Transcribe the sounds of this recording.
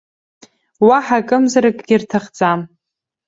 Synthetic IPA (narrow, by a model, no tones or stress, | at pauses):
waħakʼɨmzaɾakʼɡʲɪrtʰaχd͡zʼam